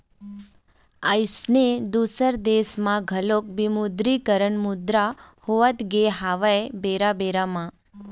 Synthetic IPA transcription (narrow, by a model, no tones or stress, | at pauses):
ajsned̪usəɾd̪esmãɡʱəlok̚bimud̪ɾikəɾəɳmud̪ɾahoʋət̪ɡeɦaʋaebeɾabeɾamã